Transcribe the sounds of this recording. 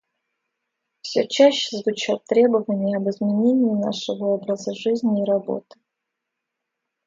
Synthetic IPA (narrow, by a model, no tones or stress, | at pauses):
fsʲɵt͡ɕæɕːɪ̥zvʊt͡ɕat̪ːɾʲe̞bəvənʲɪjəɐbɨzmʲɪnʲenʲɪɪna̰ʂɨvəo̞bɾəzəʐɨzʲnʲɪːɾɐbo̞̰t̪ɨ̥